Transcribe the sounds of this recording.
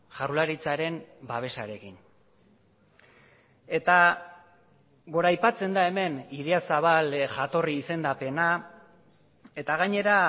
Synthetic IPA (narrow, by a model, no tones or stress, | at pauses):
ʝarlaɾit͡saɾe̞mbaβ̞e̞sa̰ɾe̞kin | e̞t̪a | ɣo̞ɾajpat͡se̞nd̪ae̞me̞niðe̞asaβalʝat̪o̞riːse̞nd̪ape̞na | e̞t̪aɣaɲe̞ɾa